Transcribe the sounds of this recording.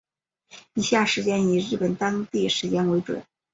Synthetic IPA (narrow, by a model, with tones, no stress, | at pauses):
i˨˩ɕja˥˩ʂɻ̩˧˥t͡ɕjɛ˥ni˨˩ɻɻ̩˥˩pə˨˩nt̪ɑ˥ŋt̪i˥˩ʂɻ̩˧˥t͡ɕjɛ˥nwe˧˥ɪʈ͡ʂwə̰˨˩˦n